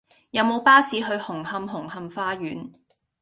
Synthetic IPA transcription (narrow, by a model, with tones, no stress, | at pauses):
jɐ˨˧wmo˨˧wpaː˥siː˨˧ɦɵ˧ɥhʊ˨˩ŋhɐ˧mɦʊ˨˩ŋhɐ˧mfaː˧ɥyː˨˥n